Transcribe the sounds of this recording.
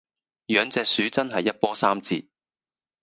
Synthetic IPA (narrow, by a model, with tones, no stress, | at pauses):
jœː˨˧ŋt͡sɛː˧k̚syː˨˥t͡sɐ˥nɦɐ˨jːɐ˥t̚pɔː˥saː˥mt͡siː˧t̚